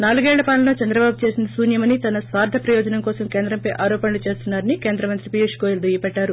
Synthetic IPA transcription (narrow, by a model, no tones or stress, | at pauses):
naːluɡɛːɭːɐpaːnlɐloːt͡ʃɐnd̪ɾɐbaːbut͡ʃe̞ːsinɐsuːnjɐmɐnit̪ɐnɐsʋaːɾd̪ʱɐpɾɐjɔːd͡ʒɐnɐmkɔːsɐmke̞ːnd̪ɾɐmpɐjʔaːɾɔːpɐnɐlut͡ʃe̞ːst̪unːaːɾɐnike̞ːnd̪ɾɐmɐnt̪ɾipiʂkojild̪ujɐpɛɖːaːɾu